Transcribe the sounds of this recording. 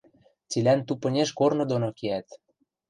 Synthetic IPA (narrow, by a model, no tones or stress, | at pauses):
t͡silʲænt̪upɤ̆nʲeʃkornɤ̆d̪onokeæt̪